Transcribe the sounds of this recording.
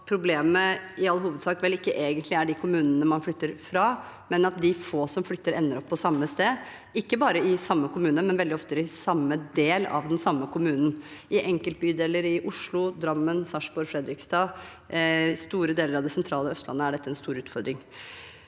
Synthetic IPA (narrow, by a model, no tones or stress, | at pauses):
pʰɾʊbleːməɪɑlːəɦuːʋəd̪sɑːkʋɛlɪkːəʔeːɡənt̪ʰlɪæɖɪkʰʊmʉːnənəmɑnflʏt̪ːəɾfɾɑ | mɛnɑt̪̚d̪ɪfoːsɔmflʏt̪ːəɾɛnːəɾɔpːɔsɑmːəst̪eː | ɪkːəbɑːɾəɪsɑmːəkʊmʉːnəmɛnʋɛld̪ɪɔft̪əɾɪsɑmːəd̪eːlɑ̰ʋd̪ɛnsɑmːəkʰʊmʉːnn̩ʔɪʔɛŋkəlt̪̚byːd̪eːləɾɪʔʊʂɭʊd̪ɾɑmːənsɑʂbɔɾfɾɛd̪ɾɪkst̪ɑː | st̪uːɾəd̪eːləɾɑʋd̪ɛsɛnt̪ʰɾɑːləœst̪lɑ̰nːəæɖɛt̪ːəɛnst̪uːɾʉːt̪fɔɾd̪ɾɪŋ